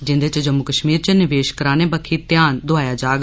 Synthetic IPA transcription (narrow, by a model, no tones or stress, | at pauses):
d͡ʒɪ̃nd̪eːt͡ʃɐd͡ʒəmːukəʃmiːɾt͡ʃɐnɪʋeːʃkəɾaːnẽbɐkʰit̪jaːnd̪ʊaːjaːd͡ʒaːɡ